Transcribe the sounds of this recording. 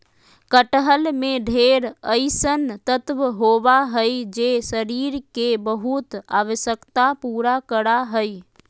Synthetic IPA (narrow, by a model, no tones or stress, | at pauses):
kəʈəɦəlmeɖʱeɾəɪsənt̪ət̪ʋɦobaɦəjd͡ʒesəɾiɾkebəɦut̪aʋəsjəkt̪apuɾakəɾaɦəj